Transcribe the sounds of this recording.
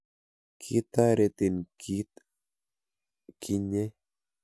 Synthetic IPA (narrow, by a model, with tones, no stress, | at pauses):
kʰit̪a˦ɾet̪i˨nkʰit̪ | kʰi˦ɲe˦